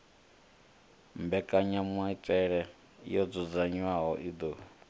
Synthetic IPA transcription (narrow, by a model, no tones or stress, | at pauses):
mbɛkʼaɲamwaitʼɛɺɛ | jɔd͡zɔd͡zaɲwaɦɔʔid̪oː